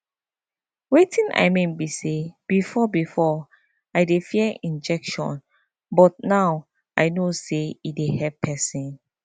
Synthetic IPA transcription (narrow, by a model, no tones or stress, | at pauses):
wetʰĩna̰jmẽnbiseb̥ifɔbifɔ | ajdefiɛʔĩnd͡ʒɛkʃɔ̰̃n | bɔt̚naw | ʔajnoseidehɛppʰɛsĩn